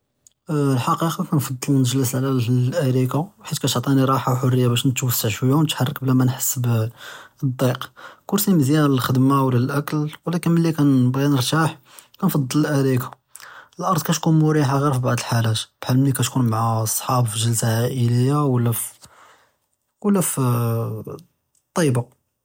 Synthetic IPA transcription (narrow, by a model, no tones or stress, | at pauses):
lħɑqiqɑkænfɑd̪ˤːɑlnəʒləsʕlæʔæɾikawħit̪kæt̪ʕt̪ˤiniɾˤɑħawħʊrːəjːabæʃnət̪wəsːəʕʃwəjːawnət̪ħarˤːək̚blæmænħəsːb | əd̪ˤːiqkʊɾsiməzjænlxəd̪mawlælʔækəlwlækənməlːikænbɣinəɾˤt̪aħ | kænfɑd̪ˤːələlʔæɾikḁ | əlʔɑɾd̪kæt̪kunmʊɾiħaɣiɾfibaʕd̪əlħalæt̪b̥ħəlmnikæt̪kunmaʕasˤːħɑbfiʒəlsaʕaʔələjːawəlːæf | wəlːæf | t̪ˤːɑba